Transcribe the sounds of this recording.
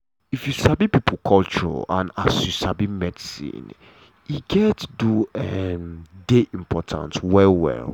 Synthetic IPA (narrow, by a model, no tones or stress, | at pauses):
ifjusabipipʰukʰɔlt͡ʃɔɹɔ̰ã̰nasjusabimɛdisḭ̃n | iɡɛtduɛmdeʔĩmpʰɔtʰã̰ntwɛlwɛ̰l